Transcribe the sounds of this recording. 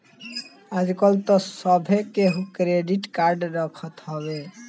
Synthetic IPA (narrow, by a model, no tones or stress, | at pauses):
ad͡ʒkɔlt̪ɔsəbʱekeɦukɾeɖiʈkaɾɖɾəkʰət̪ɦɔβe